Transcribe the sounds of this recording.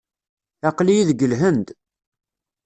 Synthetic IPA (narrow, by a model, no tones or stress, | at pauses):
ɑqlijiðɡəlɦənd̪